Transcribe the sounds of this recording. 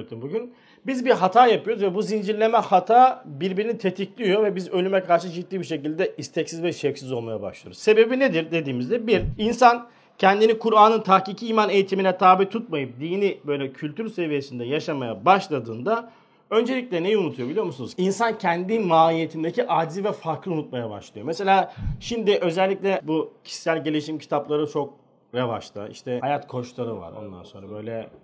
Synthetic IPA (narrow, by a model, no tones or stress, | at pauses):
t̪umbuɟyn | bizbiɾɦat̪ʰaːjapɯjo̞ɾuzvɛbuzind͡ʒiɾlʲe̞mɛhat̪ʰaːbiɾbiɾinit̪ʰet̪ʰiclʲijo̞vɛbizø̞lʲymɛkʰaɾʃɯd͡ʒit̪ːiːbiɾʃe̞cilʲd̪ɛist̪ʰɛcsizvɛʃɛfsizo̞lˠmajaba̰ʃlˠa̰ɾuzse̞be̞bined̪iɾd̪e̞d̪iːmizd̪ɛbiɾinsan | cʰɛnd̪inikʰuɾaːnɯnt̪ʰahciːcʰiːmanejit̪ʰiminɛt̪ʰaːbit̪ʰut̪̚majɯp̚d̪iːnibø̞jlʲɛcʰylʲt̪ʰyɾse̞vije̞sind̪ɛjaʃamajabaʃlˠad̪ɯːnd̪a | ø̞nd͡ʒe̞lʲic̚ʲlʲɛne̞jiunut̪ʰujobilʲijo̞musunuzinsancʰɛnd̪inmaːlije̞t̪ʰind̪ecʰiʔaːd̪zivɛfaɾklˠiunut̪̚majaba̰ʃlˠɯjo̞meselʲaːʃimd̪ɪʔø̞zælʲːicʲlʲɛbucʰi̥ssælʲɟe̞lʲiʃimcʰi̥t̪ʰaplˠaɾɯt͡ʃʰo̞k̚ | ɾeva̰ʃt̪ɯ̰ḭʃt̪ʰɛajat̪kʰo̞ʃlˠaɾɯva̰ɾo̞̰nd̪a̰nso̞nɾabø̞jlʲɛ